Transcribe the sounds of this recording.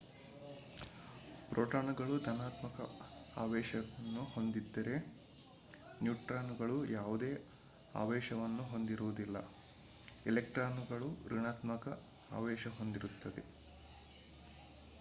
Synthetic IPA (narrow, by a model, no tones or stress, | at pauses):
pɾoːʈaːnuɡɐɭud̪ʱɐnaːt̪mɐkɐaːʋɛːʃɐɐnːuho̞nd̪id̪ːɐɾe̞ | njuːʈɾaːnuɡɐɭujaːʋud̪e̞ː | a̰ːʋɛːʃɐʋɐnːuɦo̞nd̪iɾuʋud̪ilːɐ̰ | elek̚ʈɾaːnuɡɐɭuɾiɳaːt̪mɐkɐ | a̰ːʋɛːʃɐɦo̞nd̪iɾut̪ːɐd̪e̞̰